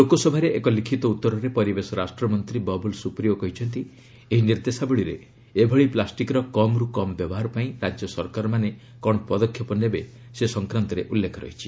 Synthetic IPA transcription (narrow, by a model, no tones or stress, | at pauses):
lokosɔbʱaɾeʔekɔlikʰit̪ɔut̪ːɔɾɔɾepɔɾibesɔɾasʈɾɔmɔnt̪ɾibɔbulsupɾiokɔɦit͡ʃʰɔnt̪i | eɦiniɾd̪esabɔɭiɾe | ebʱɔɭiplasʈikɾɔkɔmɾukɔmɔbjɔbɔɦaɾɔpaĩɾad͡ʒjɔsɔɾkaɾɔmane | kɔɽɔpɔd̪ɔkʰjɔpɔnebe | sesɔŋkɾant̪ɔɾeʔulːekʰɔɾɔ̰ɦit͡ʃʰi̥